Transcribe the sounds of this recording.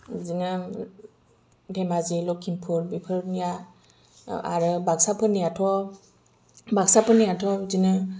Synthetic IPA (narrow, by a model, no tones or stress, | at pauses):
zinɯ | dʱemazilɔkʰimpʰuɾbipʰɯɾnija | a̰ɾɯbaksapʰɯnijatʰɔ | baksapʰɯnijatʰɔzinɯ